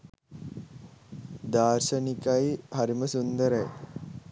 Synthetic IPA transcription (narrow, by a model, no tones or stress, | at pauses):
d̪aːɾʃɐnikɐjhɐɾiməsund̪əɾɐj